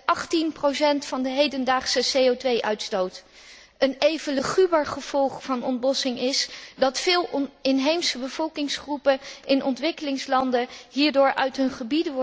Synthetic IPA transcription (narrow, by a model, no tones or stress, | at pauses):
ʔɑχtinprowsɛntfɑndəɦejdəndaːχsəsejowtʋejʔœɥtstowt | ənejvələχybaːɹχəv̥ɔlˠχfɑnɔntbɔsɪŋɪsdɑtfɪːlˠɪnɦejmsəbəvɔlˠkɪŋsχrupəʔɪnʔɔntʋɪkəlɪŋslɑndəɦiːɹdʊːɹʔœ̰ɥtɦɵnχəbidəʋ